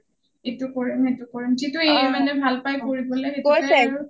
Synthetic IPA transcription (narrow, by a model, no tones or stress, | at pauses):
etʊkoɹimetukoɹimzituemanɛbʱalpajkoɹibɔleekosɛɹʊ